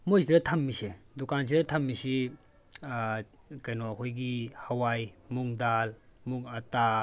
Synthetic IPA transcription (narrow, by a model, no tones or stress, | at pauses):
mojs̬iɾɐtʰɐmːisedukans̬iɾɐtʰɐmːisi | kɐjnɔɐkʰojɡihɐwajmuŋdalmuŋɐta